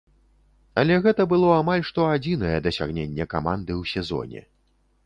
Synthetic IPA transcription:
ɐlʲɛɣɛt̪ɐbɨlˠɔamalʲʂt̪ɔad͡zʲinɐjɛd̪ɐsʲaɣnʲenʲːɛkamand̪ɨwsʲɛzɔ̰nʲɛ̰

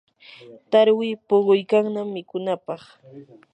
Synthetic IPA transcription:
t̪aɾwɪpoɢʊjkaŋnamːɪkʊnapɑχ

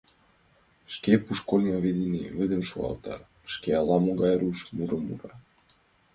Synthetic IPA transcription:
ʃkepuʃkolʲməβed̪iniβɘd̪ə̆mʃuɑ̰lt̪ɑ̰ | ʃkeɑlɑmoɣɑjɾuʃmyɾəmṵɾɑ

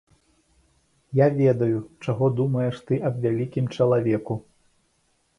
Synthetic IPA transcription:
javʲɛd̪ɐjut͡ʂaɣɔd̪umɐjɛʂt̪ɨʔɐbvʲalʲikʲimt͡ʂɐlˠavʲɛku

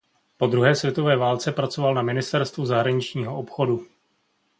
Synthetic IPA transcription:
po̞d̪ɾuɦɛːsvjɛt̪o̞vɛːvaːlt͡sɛpɾat͡so̞valnamɪnɪst̪ɛɾst̪vuzaɦɾaɲɪt͡ʃɲiːɦo̞ʔopxo̞du

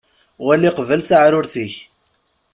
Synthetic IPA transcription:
wælːiqvəlθaʕɾʊɾθiç

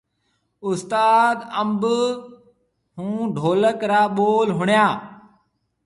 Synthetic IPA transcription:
ʊst̪aːd̪əmb | hũːɖʱoːləkɾaːɓoːlɦʊɳjaː

